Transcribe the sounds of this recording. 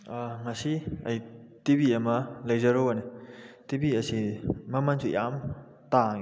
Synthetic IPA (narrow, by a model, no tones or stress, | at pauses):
ŋɐsiɐjtibiɐmɐlɐjzɐɾonetibiɐsimɐmansʰṵjam | taŋi